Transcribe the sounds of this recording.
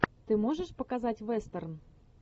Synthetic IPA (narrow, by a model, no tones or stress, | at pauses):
t̪ɨmoʒəʃpəkazatʲvest̪ərn